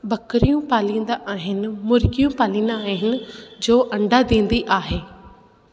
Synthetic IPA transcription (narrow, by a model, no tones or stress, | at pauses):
bɐkəɾijũpaːlĩːnd̪aʔaːɦɪnɪ̆mʊɾɡijũpaːlĩːnd̪aaːɦɪnɪ̆d͡ʑoːʔɐ̃ɳɖad̪ẽːnd̪iʔaːɦeː